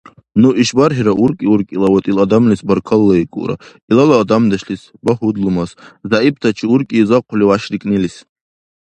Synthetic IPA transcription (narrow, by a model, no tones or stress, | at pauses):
nuʔiʃbaɾɦiɾaʔuɾkʼiuɾkʼilawat̪ʼilad̪amlisbɐɾkʰalːaikʼṵɾa̰ | ilalaːd̪amd̪ɐʃɬisbaɦud̪lumaszaip̚t̪ʰat͡ʃʰiuɾkʼizaqʰʷliwaʃrikʼnilis